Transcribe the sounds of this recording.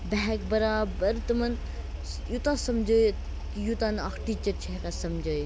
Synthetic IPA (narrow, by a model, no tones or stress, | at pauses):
bɛɦɛkbəɾaːbəɾt̪ɨmɐn | jut̪ãsɐmd͡ʒəːj | jut̪anɐkʰʈit͡ʃɐt͡ʃʰeɦkasɐmd͡ʒoj